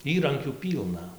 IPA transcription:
ˈiːrɐŋʲkʲuː ˈpʲiːlˠnɐ

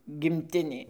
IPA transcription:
ɡʲɪmʲˈtʲɪnʲeː

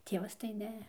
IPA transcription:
ˈtʲiɛʋɐs tɐɪ ˈnʲɛ

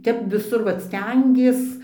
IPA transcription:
ˈtʲɛp ʋʲɪˈsʊr ˈʋɐt ˈsʲtʲɛŋʲɡʲiɛs

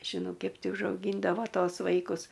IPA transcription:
ˈkʲɛp ˈtʲɪ ʊʒɐʊˈɡʲiːndɐʋoː ˈtoːs ˈʋɐɪkʊs

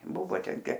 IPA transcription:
ˈbʊʋoː ˈtʲɛn ˈtʲeː

